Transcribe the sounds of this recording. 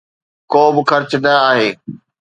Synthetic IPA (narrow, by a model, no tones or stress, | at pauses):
koːbɪxɐɾt͡ɕʊnɐaːɦeː